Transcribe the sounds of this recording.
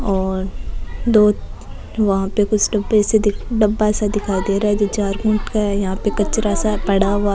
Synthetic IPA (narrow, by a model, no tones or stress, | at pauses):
ɔːɾd̪oː | ʋɐɦãpekʊt͡ʃʰɖɐbɛːsed̪ɪɖɐbːaɛːsad̪ɪkʰaːid̪eːɾaɦɛd͡ʒot͡ʃaːɾɡũːɳʈkaɛjɐɦãpekɐt͡ʃɾasapɐɽ̤aɦa